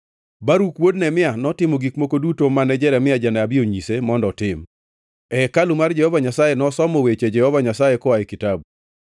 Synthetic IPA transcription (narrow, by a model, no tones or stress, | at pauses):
baɾukwodnɛmɪanɔtɪmɔɡikmokodutomanɛd͡ʒɛɾɛmɪad͡ʒanaabɪoɲisemɔndɔtɪm | ɛkalumard͡ʒɛhɔvaɲasajenɔsɔmɔwet͡ʃed͡ʒɛhɔvaɲasajekɔaekitab